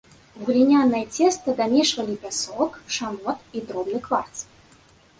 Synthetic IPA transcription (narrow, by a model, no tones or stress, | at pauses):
wɣlʲinʲanːɐjɛt͡sʲɛst̪ɨd̪amʲɛʂvɐlʲipʲasɔkʂanɔt̪id̪ɾɔbnɨkvart̪s